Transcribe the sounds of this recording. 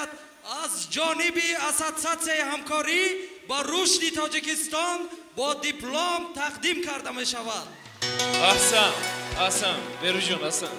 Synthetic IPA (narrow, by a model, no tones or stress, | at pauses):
d̪ | azd͡ʒɔnibiasat̪sat̪siaihamkʰɔɾibaɾuʃt̪it̪ʰɔd͡ʒikist̪ɔn | bɔd̪iplomt̪ʰaqd̪imkʰaɾd̪ame̞ʃavad̪̚ | ahsanahsanbeɾud͡ʒɔnasan